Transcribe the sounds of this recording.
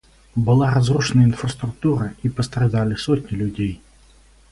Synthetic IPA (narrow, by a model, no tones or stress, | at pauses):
bɨlˠaɾazruʂɨnɐjəinfrɐst̪ɾʊk̚t̪uɾɐipɐst̪ɾad̪alʲɪsɔtʲnʲilʲudʲej